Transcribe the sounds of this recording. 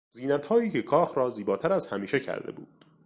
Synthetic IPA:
ziːnæt̪hɒːiːcʰe̞kʰɒːxɾɒːziːbɒːt̪ʰæɾæzhæmiːʃe̞cʰæ̰ɾd̪ḛbṵːd̪̥

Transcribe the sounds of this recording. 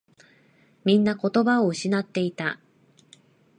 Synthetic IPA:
mʲĩnːako̞t̪o̞bao̞ɯ̟ɕinat̪ːe̞it̪a

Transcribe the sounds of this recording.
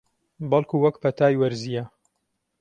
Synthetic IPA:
bɐlˠkʰuːwɐkpʰɐt̪ʰaːjwɐɾzijɐ

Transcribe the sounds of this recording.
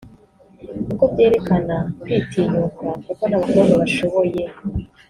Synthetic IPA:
kukobɟe̞ːɾe̞kanakwiːtʰiːɲukakuko̞naβaɡonoβaʃo̞βo̞je̞

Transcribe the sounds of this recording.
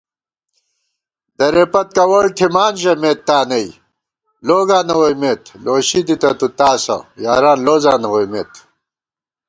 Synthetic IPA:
d̪ɐɾepɐt̪̚kɐwɐɭʈʰimaːnʑɐmeːt̪ːaːnɐj | loːɡaːnɐwojmet̪loːɕid̪it̪ɐt̪ut̪aːsɐ̰ja̰ːɾaːnloːzaːnɐwojmḛːt̪

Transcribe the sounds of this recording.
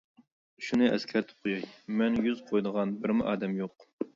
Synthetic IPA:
uʃunɨʔɛ̰skʲʰɛɾt̪ʰɪ̥p̚qʰojɑjmɛnjyzqʰojd̪əʁɑnbɪɾmɪʔɑːd̪ɛmjoq̚

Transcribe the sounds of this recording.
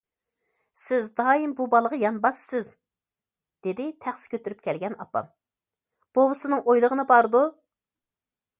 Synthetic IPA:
sɪzd̪ɑːimbubɑlˠəʁɑjɑnbɑsːɪz | d̪̥ed̪ɪt̪ʰæχsɪ̥kʲʰøt̪yɾyp̚kʲʰɛlɡʲɛnɑ̰pːɑ̰m | b̥obɨsɨnɨŋʔojlˠəʁənɨbɑɾɨd̪u

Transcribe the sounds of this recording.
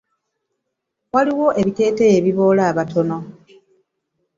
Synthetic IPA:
waliwo̞ʔe̞βite̞ːtejeβiβo̞ːlaːβatʰo̞no̞

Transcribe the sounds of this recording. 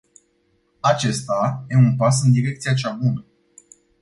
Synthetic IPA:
at͡ʃe̞st̪aje̞unpas̬ɨnd̪iɾe̞k̚t̪sijat͡ʃabunə

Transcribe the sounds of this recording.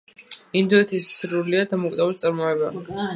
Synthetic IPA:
ind̪uɛt̪ʰisːɾuɾliad̪amɔkʼid̪ɛvult̪sʼaɾmɔɛba

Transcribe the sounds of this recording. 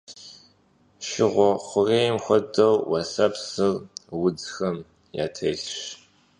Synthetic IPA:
ʃɪʁʷɔχʷʊrejmxʷɔdɐwwasɐpsɨrwʊd͡zxɐm | ja̰ːtʰeɬɕ

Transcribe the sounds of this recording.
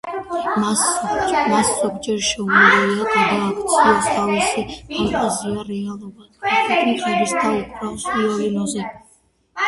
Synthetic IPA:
masɔd͡ʒmaszɔɡd͡ʒɛɾʃɛumɛɛliakʼad̪aːkʰt̪sʰiɔst̪ʰavisiat̪ʼaziaɾɛalˠɔbad̪̥katʰɛt̪ʰnikʼaɾisd̪ʰaipʰɾalpʼiɔliluzi

